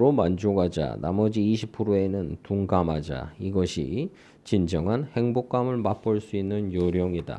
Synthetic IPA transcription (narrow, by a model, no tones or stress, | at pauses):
ɾomand͡ʑoɡad͡ʑa̰na̰mʌd͡ʑiːɕʰipʰɯɾoe̞nɯntuŋɡamad͡ʑa̰iɡʌɕʰḭ | t͡ɕind͡ʑʌŋɦanhe̞ŋbok̚k͈amɯɭmap͈oɭs͈uinːɯnjoɾjoŋida̰